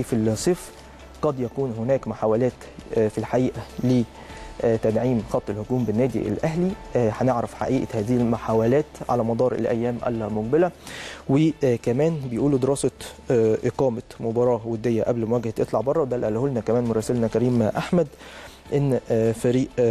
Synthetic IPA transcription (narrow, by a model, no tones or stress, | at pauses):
filsˤeːf | qɑd̪jækuːnɦʊnæːkmoħaːwælæːt̪ | filħaʔiːʔæle | t̪ædʕiːmxɑt̪ˤːelhokuːmbɪnːæːd̪ḭʔḛlʔæɦliħæneʕɾæfħa̰ʔiːʔæhæːðɪhilmʊħaːwælæːt̪ʕa̰læmɑd̪ˤɑːɾˤʔḛlʔæ̰jːæːmʔæ̰lmoq̚bɪlæwɪkæmæːnbejʔuːlud̪eɾɑːsɑʔeqɑːmɑmobɑɾˤɑːwed̪ːejːæʔæblmowæːɡhæt̪ʔet̪ˤlɑʕbɑrˤːɑwd̪ælʔælːholnækæmæːnmoɾˤɑːsɪlnækæɾiːmʔaħmæd̪ | ʔenːfæɾiːʔ